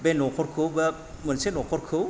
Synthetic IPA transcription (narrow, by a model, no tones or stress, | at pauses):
benɔkʰɔɾkʰɯwbɐ | mɯnsenɔkʰɔɾkʰɯw